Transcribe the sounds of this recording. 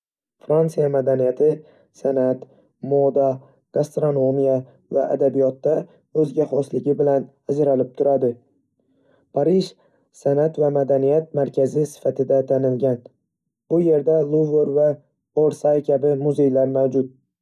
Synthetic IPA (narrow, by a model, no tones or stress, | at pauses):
fɾant̪sijamad̪anijat̪ʰɪ | sanat̪ | mod̪a | ɡ̥ast̪ɾono̞mija | va̰ʔa̰d̪abijɒt̪ːa | ɵzɡʲaχɒslɪɡʲɪbɪlan | azɾalɪp̚t̪ʰʊɾad̪ɪ | pʰaɾiʃ | sanat̪vamad̪anijat̪̚maɾkʲʰazɪsɪ̥fat̪ʰɪd̪at̪ʰanɪlɡʲan | b̥ʊje̞ɾd̪alˠuveɾva | oɾsajkʲʰabɪmʊze̞jlaɾmawd͡ʒʊt̪̚